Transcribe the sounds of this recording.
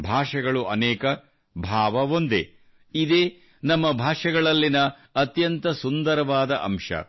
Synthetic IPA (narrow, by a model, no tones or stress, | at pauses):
bʱaːʂɐɡɐɭuʔɐnɛːkɐ | bʱaːʋɐʋond̪ḛ | id̪eː | nɐmːɐbʱaːʂɐɡɐɭɐlːinɐ | ɐt̪jɐnt̪ɐsund̪ɐɾɐʋaːd̪ɐʔɐmʂɐ̰